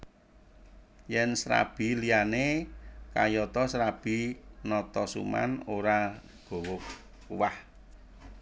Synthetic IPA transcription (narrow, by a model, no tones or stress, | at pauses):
jɛnsɾa̰b̥i̤lianekajɔt̪ɔsɾab̥i̤nɔt̪ɔsṵma̰noɾa | ɡ̥o̤wɔk | uwah